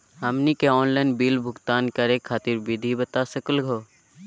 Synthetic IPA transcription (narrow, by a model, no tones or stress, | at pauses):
ɦɐmnikeɔːnlaɪnbiːlbʱʊɡt̪aːnkɐɾekʰːaːt̪ɪɾbɪd̪ʱibət̪asəkəlɡʱoː